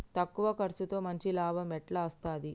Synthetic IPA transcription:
t̪ɐkːuʋɐkɐɾt͡ʃut̪o̞ːmɐɲt͡ʃilaːbʱɐmɛʈlɐɐst̪aːd̪i

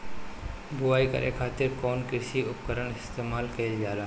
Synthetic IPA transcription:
bʊʋaːikə̰ɾʔjḛkʰaːt̪ɪɾkɔːnkɪɾʃiʊp̚kəɾəɳɪst̪eːmaːlkɐild͡ʒaːlaː

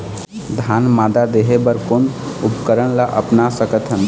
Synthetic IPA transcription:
d̪ʱanmad̪ad̪eɦebəɾkon | upkəɾəɽ̃laʔə̰pnasəkət̪ʰɦən

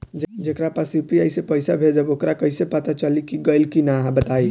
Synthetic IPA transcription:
d͡ʒd͡ʒekɾapasjupiajsepəɪsabʱed͡ʒəbokɾakəɪsepət̪at͡ʃəlikiɡəɪlkinaɦãbət̪ai

